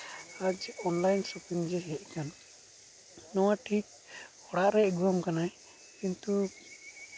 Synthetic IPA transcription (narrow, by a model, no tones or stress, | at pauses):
ad͡ʒɔnlajnsɔpiŋd͡ʒɛɦɛʔ̚ˀkan | ɔwaʈʰik̚ | ɔɽaʔɾɛɡuamkanaj | kint̪u